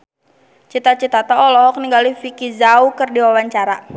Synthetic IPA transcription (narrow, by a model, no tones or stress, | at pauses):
t͡ʃit̪at͡ʃit̪at̪aɔlɔɦɔk̚niŋɡalifikizaukɨrdiwawaɲt͡ʃaɾa